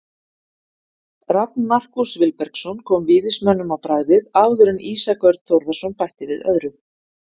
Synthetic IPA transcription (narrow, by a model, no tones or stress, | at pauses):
ɾap̚nmar̥kusvɪlpɛɾ̥ksɔnkʰɔːmvɪːðɪsmœnːʏmawpɾaːɣðɪðaːwðʏɾɪnʔiːsakœɾt̪t̪ʰːowɾvḁsɔnpajht̪ɪvɪðœ̰ðɾʏ